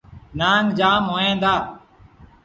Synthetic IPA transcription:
naːŋd͡ʒaːmɦoːjãːnd̪aː

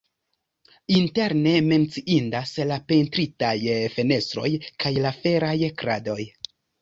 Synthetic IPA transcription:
inte̞ɾne̞me̞nt͡siʔindaslape̞ntɾitajfe̞ne̞stɾo̞̰jkajlafe̞ɾajkɾa̰do̞j

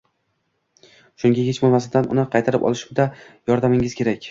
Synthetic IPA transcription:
ʃʊŋɡʲajʲet͡ʃbolˠmasɪd̪anʊ̰nɪqʰɑjt̪ʰaɾɪpɒ̰lˠɪʃʊmd̪ajɒɾd̪amɪŋɪz̥kʲʰe̞ɾakʲ

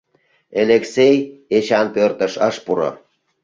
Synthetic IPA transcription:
eleksejet͡ɕɑnpørt̪ə̆ʃəʃpuɾo̰

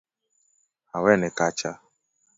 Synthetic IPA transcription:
awɛnɪkat͡ʃa

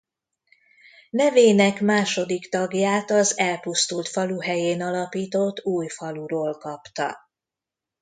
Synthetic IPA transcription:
nɛveːnɛkmaːʃo̞d̪ikt̪ɒɡjaːt̪ɒzɛlpust̪ult̪fɒluɦɛjeːnɒlɒpiːt̪o̞t̪ːuːjfɒluɾoːlkɒpt̪ɒ̰

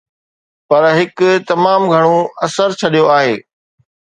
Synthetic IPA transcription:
pɐɾɦɪkʊt̪ɐmaːmɡʱɐɽ̃õɐsəɾt͡ɕʰɐɗijoaːɦeː

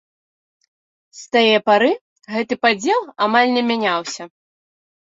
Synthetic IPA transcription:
st̪ajɛpaɾɨ | ɣɛt̪ɨpad͡zʲɛlˠamalʲnʲɛmʲanʲawsʲɐ

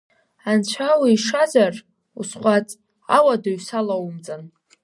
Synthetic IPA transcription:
ant͡ɕʷʰawiːʂazar | usχʷat͡sʼ | a̰wadaɥsalawumt͡sʼan

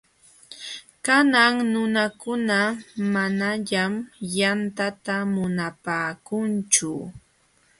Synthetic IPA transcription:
kanaŋnʊnakʊnamanaʎamjant̪at̪amʊnapaːkʊnt͡ʃʊ

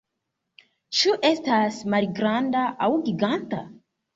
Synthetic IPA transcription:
t͡ʃuʔe̞stasmalɡɾandaʔawɡiɡanta̰

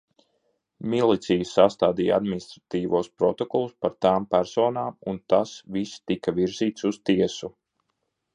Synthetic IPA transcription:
milˠit̪sijusast̪aːd̪iːja̰d̪minist̪ɾat̪iːʋuɔspɾɔt̪ɔkɔlˠuspaɾt̪aːmpæɾsɔːnaːmunt̪asvist̪ikaviɾziːt̪sust̪iɛsu

